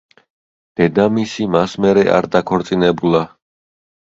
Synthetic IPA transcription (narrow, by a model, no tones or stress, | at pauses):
d̪̥ɛd̪amisimasmɛɾɛʔa̰ɾd̪akʰɔɾt̪sʼinɛbulˠa